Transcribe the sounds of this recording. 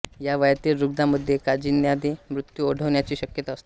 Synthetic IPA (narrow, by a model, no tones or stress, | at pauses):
jaʋəjt̪iːlɾuɡd̪aməd̪ʱːjekad͡ʑiːnjad̪emɾut̪juoɽ̤ʱəʋɳjat͡ɕiːɕəkjət̪aəst̪o̥